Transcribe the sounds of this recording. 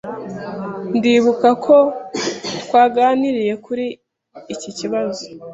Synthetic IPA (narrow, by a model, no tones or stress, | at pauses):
ndiːβukakʰo̞ | twaːɡaːniɾije̞kuɾiː | ciciβazo̥